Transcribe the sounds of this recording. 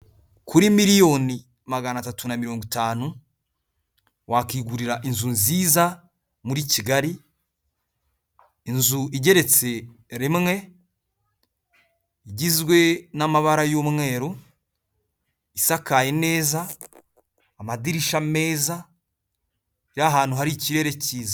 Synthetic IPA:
kʰuɾimiɾijo̞ni | maɡanatatunamiɾo̞ːŋɡitaːnu | wʔakiːɡuɾiɾaʔinzunziːza | muɾiciɡaɾi | nzuiɟe̞ɾe̞t͡se̞ | ɾimŋe̞ | iɟizɡwe̞namaβaɾajommŋe̞ːɾo | isakaje̞ne̞ːza | madiɾiʃame̞ːza | iɾaɦaːn̥huɦaɾiciɾe̞ːɾe̞ciːza

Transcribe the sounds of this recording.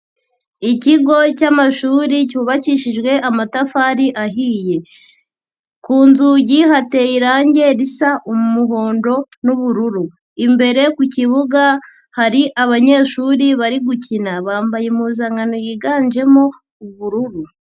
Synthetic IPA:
iciɡo̞camaʃuːɾicuːβaciʃiʒɡwe̞ʔamatafaɾiʔaɦiːje̞ | kuːnzuɟiɦate̞jiɾaːɲɟe̞ɾisaʔomumuɦo̞ːndo̞ | nuβuɾuɾu | imbe̞ɾe̞kuciβuɡa | haɾiʔaβaɲe̞ːʃuːɾiβaɾiɡucinaβaːmbajemuːzaŋɡanojiɡaːnd͡ʒe̞mo̞ | uβuɾuɾu

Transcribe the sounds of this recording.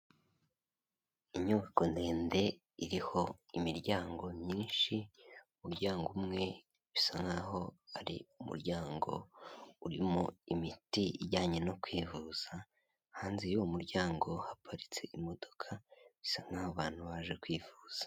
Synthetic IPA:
iɲuvakonde̞ːnde̞ | iɾiho̞imiɾɟaːŋɡo̞mɲiːnʃiumuɾɟaːŋɡumŋe̞ | βisaŋaɦo̞aɾḭumṵɾɟaːŋɡo̞̰uɾimoimitiiɟaːɲe̞no̞kwiːvuːz̥a | haːnzijuumuɾɟaːŋɡo̞hapʰaɾit͡se̞ʔimo̞d̥o̞kʰaβisaŋahoβaːn̥huβaʒe̞kwiːvuːz̥ḁ

